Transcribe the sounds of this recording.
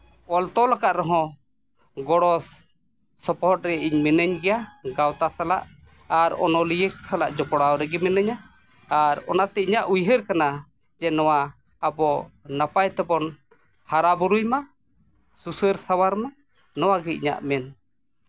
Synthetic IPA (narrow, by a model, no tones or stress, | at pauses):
ɔlt̪ɔlakaʔ̪ɾɛɦɔ̃ | ɡɔɽɔsː | ɔpɔʈ̚ɾɛʔiɲmɛnəɲɡɛjaɡawt̪asala̰ʔ | aɾɔ̰nɔlijəksalaʔd͡ʒɔpɔɽawɾɛɡɛmɛnəɲaː | ɾɔnat̪ɛiɲaʔujɦəɾkana | d͡ʒɛnɔwaː | bɔnapajt̪ɛbɔn | haɾabuɾujma | susəɾsawaɾma | nɔwaɡɛɲa̰ʔmɛn